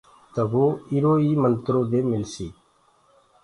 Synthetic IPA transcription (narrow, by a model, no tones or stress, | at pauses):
t̪əɡoːiɾoːiːmənt̪ɾoːd̪eːmɪlsiː